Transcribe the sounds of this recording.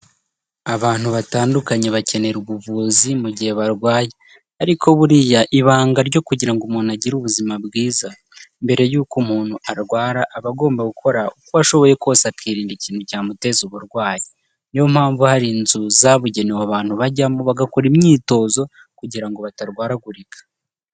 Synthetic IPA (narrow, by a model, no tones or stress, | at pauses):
aβaːn̥huβataːndukaɲe̞βace̞ne̞ɾuβuvuzimuɟihe̞βaɾɡwaːje | aɾikʰo̞βuɾijaʔiβaːŋɡaɾɟo̞kuɟiɾaŋɡumuːnuaɟiɾuβuzimabɡiːza | mbe̞ɾe̞juːkumuːn̤̥uaɾɡwaːɾaʔːβaɡo̞ːmbaɡukʰo̞ɾaukoβaʃo̞βo̞je̞kosakʰiːɾiːndiciːntucaːmute̞zuβuɾɡwaːje | nijom̥haːɱvuhaɾinzuzaβuɟe̞newaβaːn̥huβaɟamuβaɡakoɾimɲiːto̞ːzo̞ | kuɟiɾaŋɡo̞βataɾɡwaːɾaɡuɾikḁ